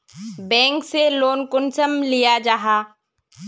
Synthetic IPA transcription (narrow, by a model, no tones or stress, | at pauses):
bɛ̃ːŋkseloːnkʊnsəmlijad͡ʒaɦaː